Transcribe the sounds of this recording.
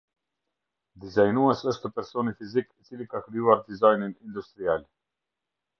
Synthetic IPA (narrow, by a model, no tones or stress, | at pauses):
d̪izajnuɛsəʃt̪əpɛɾsɔnifizikit͡silikakɾijuaɾd̪izajninind̪ust̪ɾial